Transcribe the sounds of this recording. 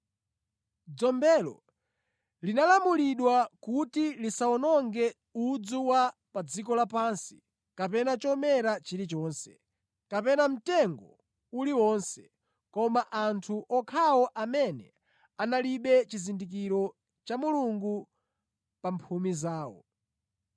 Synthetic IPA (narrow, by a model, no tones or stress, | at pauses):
d͡zɔmbɛːlɔ̰ | linalamuliɗwakutilisaɔnɔŋɡɛ | ud͡zuwapad͡zik̬ɔlapansi̥ | kapɛnat͡ʃɔmɛɾat͡ʃiɾit͡ʃɔːnsɛ̥̰ | kapɛnam̩tɛŋɡɔ | uliwɔnsɛ̥ | kɔmaʔantʰuʔɔkʰawɔʔamɛnɛ̰ | analiɓɛt͡ʃizindik̬iɾɔ | t͡ʃamuluŋɡu | pampʰumizaːwɔ̰